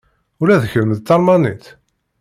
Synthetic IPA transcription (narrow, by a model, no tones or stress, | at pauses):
ʊɾæðəçəɾəməðt̪ːɑɾˤmɑnit̪